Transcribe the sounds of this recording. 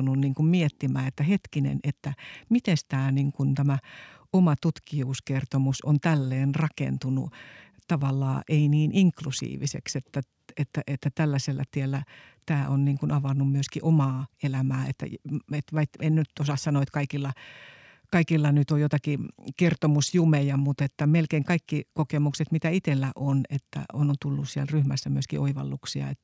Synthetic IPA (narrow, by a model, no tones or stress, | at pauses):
ununniːŋkummiet̪ːimæːet̪ːæhet̪kinḛnet̪ːæmit̪enst̪æːniːŋkunt̪æmæ | omɑt̪ut̪kiuːskert̪omusont̪ælːeːnrɑkḛnt̪unṵ | t̪ɑʋɑlːɑ̰ːʔeiniːnʔiŋklusḭːʋḭsḛkset̪ːæ | et̪ːæʔet̪ːæt̪ælːæselːæ̰t̪ielːæt̪æːʔonniːŋkunɑʋɑnːummyøskiʔomɑːelæmæːet̪ːæ̰et̪ʋɑit̪ennyt̪osɑssɑnoet̪kɑikilːɑ | kɑikilːɑnyt̪ojot̪ɑkikert̪omusjumejɑmut̪et̪ːæmelkeiŋkɑikːikokemukset̪mit̪æit̪elːæʔonet̪ːæ̰onont̪ulːussiælryhmæsːæmyøskiʔoiʋɑ̰lːuksiɑ̰et̪ː